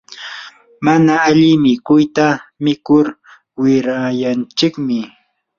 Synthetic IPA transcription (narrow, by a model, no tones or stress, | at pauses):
manaːʎɪmɪkʊjt̪amɪkʊɾ | wɪɾajant͡ʃɪkmɪ